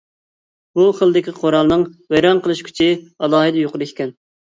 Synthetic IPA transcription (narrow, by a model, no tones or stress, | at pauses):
buχəlˠd̪ɪkʲiqʰoɾɑlˠnɨŋwɛjɾɑnqʰəlˠɨʃkʲʰy̥t͡ʃʰɪɑlˠɑːɦɨd̪joqʊɾˠɪkʰʲi̥kʲɛn